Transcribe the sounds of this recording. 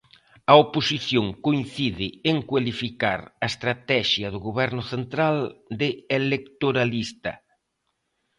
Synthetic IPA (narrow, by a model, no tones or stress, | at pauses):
ɐoposiθjoŋkoinθiðɪeŋkwalifika̰ɾɐest̪ɾat̪ɛʃjɐðʊɣoβɛɾnʊθent̪ɾald̪ɪelekt̪oɾalist̪ɐ